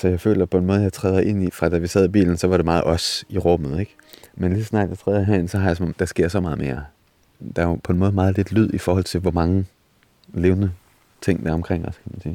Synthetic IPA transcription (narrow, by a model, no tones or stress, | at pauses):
sɒjɑɪfø̰ːlɐpʰɒ̽enmɔ̽ːð̞ˠjɑ̈ɪt͡sʰʁɛːð̞ˠɐʔe̝n̰ifʁɑ̈d̥æʋisɛð̞ˠib̥ḭːln̩sɒ̽ʋɑ̈ɾ̥emɑ̈ːð̩ˠʔɒ̽siʁɔ̽mð̞̩ˠeɡ̥ | menlissnɑ̰̈d̥jɑt͡sʰʁɛːðˠjɦænsɒ̽ɦɑ̈jasɒmɒmd̥ɑ̈sɡ̥e̝ɐ̰sɒ̽mɑ̈ːð̞̩ˠme̝ːɐ | d̥ɑ̈jopʰɒ̽enmɔ̽ð̩ˠmɑ̈ːð̩ˠle̝d̥lyð̞̰ˠifɒːhɒ̽l̰t͡sʰe̝lʋɒmɑ̈ŋə | le̝ːʊnə | t͡sʰe̝ŋ̰d̥æɐɒ̽mkʰʁeŋ̰ɒskʰæmænsḭː